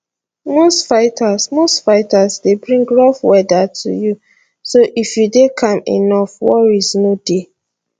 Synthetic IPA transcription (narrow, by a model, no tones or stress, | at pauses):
mostfaɪtʰasmostfaɪtasdebɹĩŋɡɹafwɛdatʰṵju | soʔifjudekʰãmḛnɔfwɔ̰ɹiznode